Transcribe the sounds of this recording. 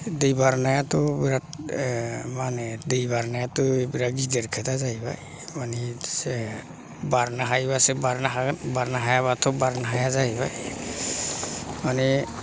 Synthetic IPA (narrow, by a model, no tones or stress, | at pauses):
dejbaɾnajatɔbiɾat | manɛdejbaɾnajatɔebiɾaɡideɾkʰatazajbaj | manisɛ | baɾnaɦajbasɛbaɾnaɦabaɾnaɦajaβatʰɔbaɾnaɦajazajbaj | mani